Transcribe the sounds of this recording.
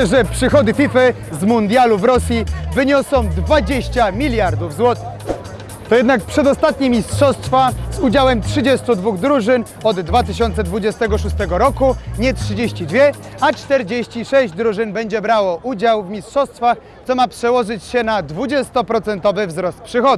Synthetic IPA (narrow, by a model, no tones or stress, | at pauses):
ʐɛpʂɘxɔd̪ɘfʲifɘ | zmund̪ʲjaluvɾɔsʲjivɘɲɔsɔ̃w̃d̪vad͡ʑeɕt͡ɕamʲilʲjaɾd̪uvzwɔt̪ɘ̥x | t̪ɔjɛd̪nak̚pʂɛd̪ɔst̪at̪̚ɲimʲistʂɔst̪fazud͡ʑawɛmtʂɘd͡ʑɛst̪ud̪vuɣd̪ɾuʐɘn | ɔd̪ːvat̪ɘɕɔnt̪sɛd̪vud͡ʑɛst̪ɛɡɔʂust̪ɛɡɔɾɔkuɲɛtʂɘd͡ʑeɕt͡ɕid̪vʲjɛat͡ʂt̪ɛɾd͡ʑeɕt͡ɕiʂɛʑd͡ʑd̪ɾuʐɘnbɛɲd͡ʑɛbɾawɔʔud͡ʑawvmʲistʂɔst̪faxsɔmapʂɛwɔʐɘt͡ɕɕɛnad̪vud͡ʑɛst̪ɔpɾɔt̪sɛnt̪ɔvɘvzɾɔst̪̚pʂɘxɔd̪